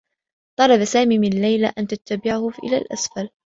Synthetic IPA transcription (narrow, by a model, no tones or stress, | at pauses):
t̪ˤɑlɑbasaːmiːmɪnalːajlaʔant̪at̪ːabɪʕahʊʔɪ̰la̰ːlʔa̰sfal